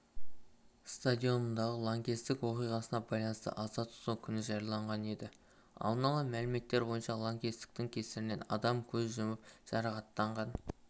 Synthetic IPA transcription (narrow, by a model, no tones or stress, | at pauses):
st̪ad̪ʲijo̞nənd̪ɑʁəlˠoŋɡʲest̪ɪkwo̞qijʁɑsənɑbɑjlˠɑnəst̪ə̰ʔɑzɑt̪ʰʊ̥sukʲʰʏnɪʒɑjɑlˠɑɴʁɑne̞d̪ɪ | ɑ̰lˠənɑlˠəmælɪme̞t̪ːe̞ɾbo̞jənʃɑlˠoŋɡʲest̪ɪ̥k̚t̪ɪŋkʲʰe̞sɪɾɪne̞nɑ̰d̪ɑmkʲʰɵzʒʊmɪpʒ̥ɑɾɑqɑt̪ːɑɴʁɑn